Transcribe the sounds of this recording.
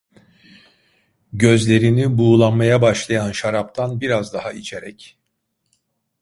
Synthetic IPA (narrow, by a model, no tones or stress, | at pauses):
ɟø̞zlʲe̞ɾinibuːlˠanmajabaʃlˠajanʃaɾap̚t̪ʰanbiɾazd̪ahait͡ʃʰeɾɛc